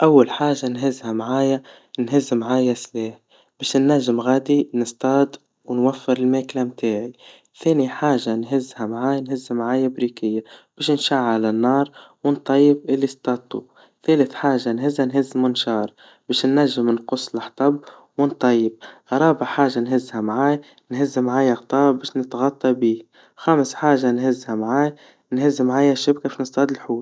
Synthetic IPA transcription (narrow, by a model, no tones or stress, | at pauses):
ʔawːalħaːʒanɦɪzhamʕaːja | nɦɪzːmʕaːjasleːħ | b̥eːʃnːaʒːɪmɣaːd̪inɪst̪ˤɑːd̪ | wnwafːɪɾɪlmeːklamt̪aːʕi | θeːniħaːʒanɦɪzhamʕaːjanhɪzːmʕaːjabɾiːkɪjːab̥eːʃnʃaʕːalanːɑːɾˤwɪnt̪ˤɑjːɪbʔɪlːist̪ˤɑːt̪ˤːṵ | θeːlɪθħaːʒanɦɪzhanɦɪzːmʊnʃɑːɾˤ | beːʃnːaʒːɪmnqʊsˤːlaħt̪ˤɑb | wɪnt̪ˤɑjːɪb̚ɾˤɑːbaʕħaːʒanɦɪzːhamʕaːj | nɦɪzːmʕaːjaɣt̪ˤɑːbeːʃnɪt̪ɣɑt̪ˤːɑbiː | xaːmɪsħaːʒanɦɪzːhamʕaːj | nhɪzːmʕaːjaʃɪb̚kafinɨst̪ˤɑːd̪ɪlħuːl